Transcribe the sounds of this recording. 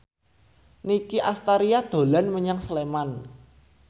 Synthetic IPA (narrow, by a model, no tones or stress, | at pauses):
nikiʔast̪aɾiad̪̥o̤lanməɲaŋsleman